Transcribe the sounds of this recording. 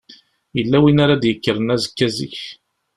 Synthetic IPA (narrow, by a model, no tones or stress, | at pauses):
jəlːæwinaɾad̪jəkːəɾənæzəkːæzḭç